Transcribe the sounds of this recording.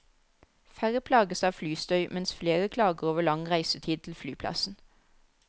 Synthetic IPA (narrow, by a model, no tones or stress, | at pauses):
fæʁəpʰlɑːɡəsɑːʋflyːst̪œʏmɛnsfleːʁəkʰlɑːɡəʁoːʋəlɑŋʁæɪsət̪ʰiːd̪̚t̪ʰl̩flyːpʰlɑ̰sn̩